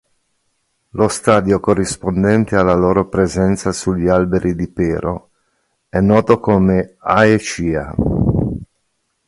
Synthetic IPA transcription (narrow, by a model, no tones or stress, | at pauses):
lost̪aːd̪jokorːispond̪ɛnt̪ealːaloːɾopɾezɛnt̪sasuʎːialbeɾʔid̪ipeːɾo | ɛnːɔːt̪okoːmeaet͡ʃiːa̰